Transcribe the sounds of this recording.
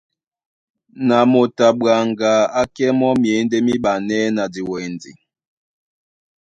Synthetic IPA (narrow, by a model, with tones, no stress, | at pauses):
na˨mo˨ta˨ɓwa˨ŋɡa˨˦a˦kɛ˦mɔ˦mje˨˦n˦de˦mi˦ɓa˨nɛ˦na˨di˨wɛ˨nd͡zḭ˨